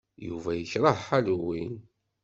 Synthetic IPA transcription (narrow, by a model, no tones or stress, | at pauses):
juvæjəçɾˤɑhħalwin